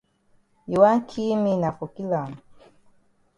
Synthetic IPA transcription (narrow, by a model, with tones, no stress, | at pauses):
ji˨wa˦ŋ˦kʰi˦mi˦na˨fu˨ki˦la˨ŋ